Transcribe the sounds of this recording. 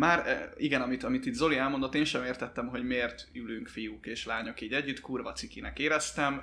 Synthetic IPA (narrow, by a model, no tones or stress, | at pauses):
maːɾiɡɛnɒmit̪ɒmit̪iːd̪zo̞liɛlmo̞nd̪ot̪ːeːnʃɛmeːrt̪ɛt̪ːɛmɦo̞ɟmeːrt̪ylyŋkfijukeːʃlaːɲo̞kiːɟɛɟːyt̪kuːrvɒ̰t̪sikinɛkeːɾɛst̪ɛm